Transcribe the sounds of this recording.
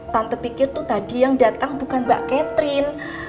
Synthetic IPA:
t̪ant̪əpikɪrt̪ut̪adijaŋdat̪aŋbukanba̰ʔkɛt̪ɾɪn

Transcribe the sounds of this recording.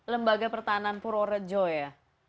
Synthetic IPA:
ləmbaɡapərt̪ananpʊɾoɾəd͡ʒɔja

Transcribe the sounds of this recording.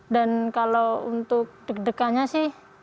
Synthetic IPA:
dankaloṵnt̪ʊk̚d̥ək̚dəkaɲasɪh

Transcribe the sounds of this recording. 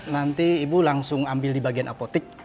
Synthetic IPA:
nant̪iːbulaŋsʊŋambɪldibaɡianʔapot̪ɪk̚

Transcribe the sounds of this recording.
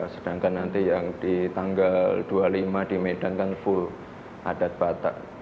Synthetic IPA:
səd̥aŋkanːant̪ijaŋd̥it̪aŋɡald̥ualimadimed̥ankanfʊl | ʔad̥at̪̚b̥at̪a̰ʔ

